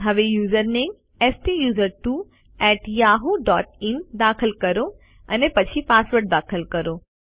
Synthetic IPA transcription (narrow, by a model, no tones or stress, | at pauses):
ɦɐʋejuːzəɾnẽ | ɛsʈijuːzəɾʈuː | ɛːʈjaːɦuɖɔːʈɪnd̪aːkʰəlkɐɾo | ɐnepɐt͡ɕʰipaːsʋəɾʈ̚d̪aːkʰəlkɐɾoː